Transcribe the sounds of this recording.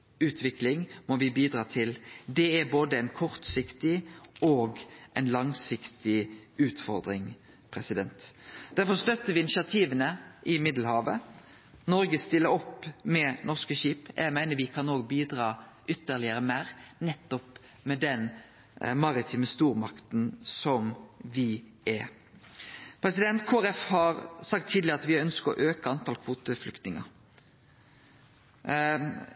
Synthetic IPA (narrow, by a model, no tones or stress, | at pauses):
ʉːt̪ʰʋɪklɪŋmɔʋɪbiːd̪ɾɑːt̪ʰɪld̪ɛæboːd̪əɛɪnkʰɔʁt̪sɪkt̪ɪoːɡʔɛɪnlɑŋsɪkt̪ɪʉːt̪fɔɾd̪ɾɪŋ | pʰɾɛsɪd̪ɛnt̪d̪̥æɾfɔst̪œt̪ːəʋɪɪnɪʃɪɑt̪ʰiːʋənəʔɪmɪd̪l̩hɑːʋə | nɔɾɡəst̪ɪləɔpmɛnɔʁskəʃiːpjæ̰ɡmæɪnəʋɪkʰɑnoːɡbiːd̪ɾɑːʔʏt̪ːəʁlɪəɾəmæɾnɛt̪ːɔp | mɛd̪ɛn | mɑɾɪt̪ʰiːməst̪uːɾmɑkt̪n̩sɔmʋɪ | ʔɛ | pʰɾɛsɪd̪ɛnt̪kʰoːæɾɛfhɑɾsɑk̚t̪ʰːiːd̪lɪəɾɑt̪ʋɪœnskəɾɔ̰ʔøːkəɑnt̪ʰɑːlkʰʋuːt̪əflʏkt̪nɪŋə̰ɾ